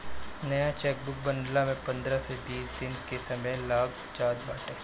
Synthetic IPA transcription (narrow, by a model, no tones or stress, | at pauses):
nɐjat͡ʃɛːk̚bʊk̚bɐ̃ɳɖlamẽpɐ̃nd̪ɾasebiːst̪iːnkesɐməjlaːɡ | t͡ʃaːd̪̚baːʈeː